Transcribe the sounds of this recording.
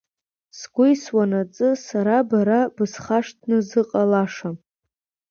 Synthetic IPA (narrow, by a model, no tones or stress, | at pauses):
sɡʷʊjswanat͡sʼɨsaɾabaɾabɨsχaʂtʰnɨzɨqʼalaʂa